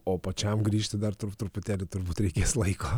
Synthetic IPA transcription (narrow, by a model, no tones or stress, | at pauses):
oːpɐt͡ʃʲɛmɡɾʲiːʃt̪ʲɪd̪ɐɾt̪ʊɾt̪ʊɾpʊt̪ʲæːlʲɪt̪ʊɾbuːt̪ɾʲɛɪkʲeːslˠɐɪko